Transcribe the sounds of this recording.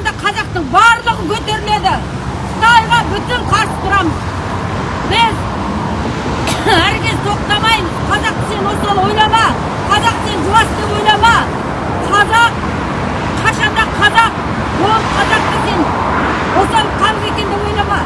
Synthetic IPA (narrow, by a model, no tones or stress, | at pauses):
nd̪ɑqʰɑzɑqt̪əɴbɑɾlˠəʁəkʲʰɵt̪e̞ɾɪle̞d̪ɪ̥ | t̪ɑjʁɑbʏt̪ɪŋqʰɑɾsə̥t̪ʰʊɾɑməz | bɪz | æɾɪkʲe̞zɪt̪ʰoqt̪ɑmɑjm | qʰɑzɑq̪ʲɪ̥senwo̞sɑlˠwo̞jlˠɑmɑ | qʰɑzɑq̚t̪enʒʊlɑsd̪e̞pwo̞jnˠɑmɑ | qʰɑzɑq̚ːʰ | ɑʃɑnd̪ɑqʰɑzɑq̚ | bolˠəpqʰɑzɑq̚t̪ek̪ʲen | wo̞sɑlˠqʰɑnəne̞kʲe̞nd̪epwo̞jnˠɑmɑ